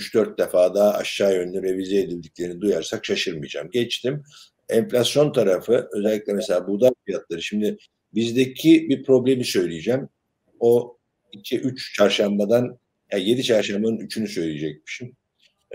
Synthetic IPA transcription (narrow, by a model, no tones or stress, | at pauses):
yt͡ʃd̪øɾt̪̚d̪efaːd̪aːa̰ʃːaːjø̞nlʲɛvɛvizeed̪ilʲd̪ic̚lʲe̞ɾinid̪ujaɾsakʃaʃɯɾmɯjd͡ʒa̰mɟɛt͡ʃt̪ʰim | ɛɱflʲasjo̞nt̪ʰaɾafɯø̞zɛlʲːicʲlʲɛmɛse̞lʲaːbud̪aɾfijat̪lˠaɾɯʃimd̪ɪ | bizd̪ecʰibipʰɾo̞blʲe̞misø̞jlʲijed͡ʒæm | o̞ | icʰiʔyt͡ʃt͡ʃʰaɾʃambad̪an | jaje̞d̪it͡ʃʰaɾʃambanɯnyt͡ʃʰynysø̞jlʲijed͡ʒɛc̚mi̥ʃim